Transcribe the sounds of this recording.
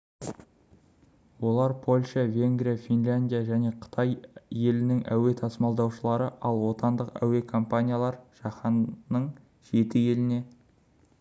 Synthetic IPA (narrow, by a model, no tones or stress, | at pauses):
wo̞lˠɑɾpʰo̞lʲʃɑvʲe̞ŋɡɾijafʲinlʲanʲd̪ʲijaʒæne̞qʰə̥t̪ʰɑjːe̞lɪnɪŋʔæ̰we̞t̪ʰɑsəmɑlˠd̪ɑwʃəlˠɑɾəʔɑlˠwo̞t̪ɑnd̪əqæ̰we̞kʰo̞mpanʲijalˠɑɾʒ̥ɑχɑnəɴ | ʒ̥e̞t̪ɪje̞lɪne̞